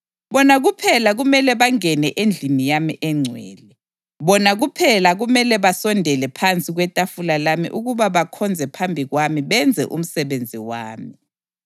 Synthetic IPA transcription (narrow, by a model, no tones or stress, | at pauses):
βɔnaɣupʰɛlaɣumɛlɛβaŋɛnɛʔend͡ɮʱimijamiʔɛŋ͡ǀʱwɛ̰ːlɛ | βɔnaɣupʰɛlaɣumɛlɛβasɔndʱɛlɛpʰant͡sʼiɣwɛtʼafulalamḭʔuɣuβaβakʰɔnd͡zʱɛpʰambʱiɣwamiβɛnd͡zʱɛ̰ʔṵm̩sɛβend͡zʱiwaːmi